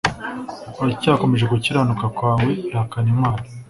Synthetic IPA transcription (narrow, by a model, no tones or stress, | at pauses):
wacaːko̞me̞ʒeɡuciɾanukakwaːŋweiɾhakanimwaːna